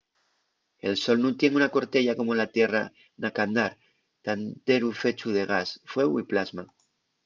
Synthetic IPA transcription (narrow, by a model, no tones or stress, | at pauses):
e̞lso̞lnũt̪je̞ŋunako̞ɾt̪e̞ʎako̞molat̪je̞ra̰ | nakand̪aɾ | t̪ant̪e̞ɾufe̞t͡ʃuðe̞ɣ̞asfwe̞ɣwiplazma